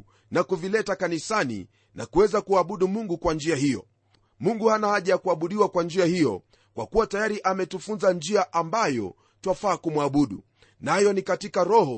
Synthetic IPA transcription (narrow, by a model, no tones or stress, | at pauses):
nakuvilɛtakanisanḭ | na̰kuwɛzakuaɓuɗumuŋɡukwand͡ʒiaɦijɔ̰ | muŋɡuhanahaʄajakuaɓuɗiwakwand͡ʒiahijɔ̰ | kwa̰kuwatajaɾiʔamɛtufunzand͡ʒiaʔambajɔ̰ | twafaːkumwaɓuɗṵ | najɔnikatikaɾɔhɔ